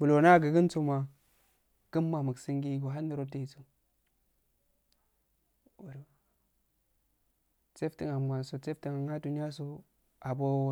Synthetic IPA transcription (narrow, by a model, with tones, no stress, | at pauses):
bu˨lo˨na˦˨ɡə˨ɡə˦nt͡so˦ma˨ | ɡ̥ə˦mːa˨mə˨ksi˦ŋɡi˦ɡo˨ɦa˦ndi˨ɾo˦te˦i˨t͡so˨ | u˨ɾ | t͡se˦fti˨ŋa˨a˨nso˨t͡se˦fti˨ŋa˨ŋa˦du˨ni˦a˦so˦ | a˨bo˦